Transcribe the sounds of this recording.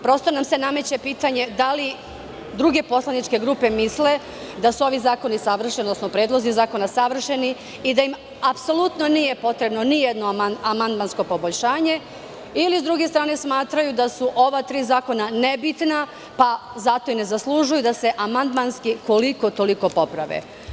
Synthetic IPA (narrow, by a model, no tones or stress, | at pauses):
pɾost̪o̞namse̞name̞t͡ɕepiːt̪aɲe̞d̪ali | d̪ɾuɡe̞po̞slˠanit͡ʃke̞ɡɾuːpe̞misle | d̪asuo̞ʋizaːko̞nisaʋr̩ʃiod̪nosnopɾe̞ːd̪lˠo̞zizaːko̞nasaʋr̩ʃe̞ni | id̪aim | apso̞lut̪no̞nije̞po̞t̪ɾe̞bno̞nijed̪noaamand̪mansko̞po̞boʎʃaːɲe̞ | ilizd̪ɾuːɡe̞st̪ɾaːne̞smaːt̪ɾajud̪asuʔo̞ʋat̪ɾiːzaːko̞nane̞bit̪na | pazat̪o̞ine̞zaslˠuʒujud̪ase̞ʔamand̪manskiko̞liko̞t̪o̞liko̞po̞pɾaʋḛ